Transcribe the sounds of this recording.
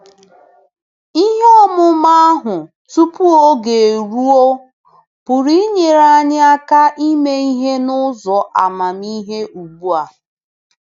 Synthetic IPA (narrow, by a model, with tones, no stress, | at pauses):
i˦ɦe˦ɔ˦mʊ˦ma˦a˦ɦʊ˨ | tu˦pu˦o˦ɡe˨ɾu˦o˦ | pʊ˨ɾi˦ɲe˨ɾa˦ɲɪ˦a˦ka˦ʔi˦me˦i˦ɦe˦nʊ˦zɔ˨ʔa˨ma˨mi˦ɦe˦ʔu˨ɡ͡bu˦a˨